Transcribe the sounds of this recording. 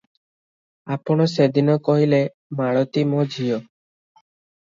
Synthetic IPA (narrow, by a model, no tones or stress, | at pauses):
apɔɽ̃ɔsed̪inɔkɔɦile | maɭɔt̪imod͡ʒʱijo